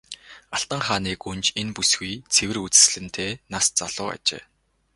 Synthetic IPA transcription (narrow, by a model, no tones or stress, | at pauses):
aɬt̪ə̆ɴχaːniːkunt͡ɕʰenpusɡujt͡sʰewɘ̆rut͡sɘ̥̆sɮɘ̆nt̪ʰeːnast͡saɮ̥ʊːa̰t͡ɕḛː